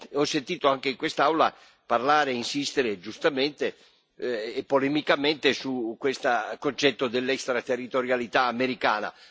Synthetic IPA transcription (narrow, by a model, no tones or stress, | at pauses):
ɔsːent̪iːt̪oaŋk̟eiŋkwest̪aawla̰ | parlaːɾeinsist̪eɾed͡ʒust̪ament̪eː | pːolɛmikament̪esukːwest̪akont͡ʃɛt̪ːod̪elːɛkst̪ɾat̪erːit̪oɾjalit̪aːmeɾikaːna̰